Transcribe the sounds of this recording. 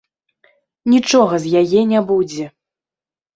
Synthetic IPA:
nʲit͡ʂɔɣɐzʲjajɛnʲabud͡zʲɛ

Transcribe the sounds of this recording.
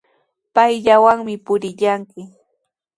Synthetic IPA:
pajʎawaŋmɪpʊɾɪʎaŋkɪ

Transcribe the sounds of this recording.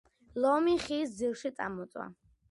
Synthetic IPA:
lɔmiχiːsd̪zilˠʃit̪sʼa̰mɔt̪sʼwa̰

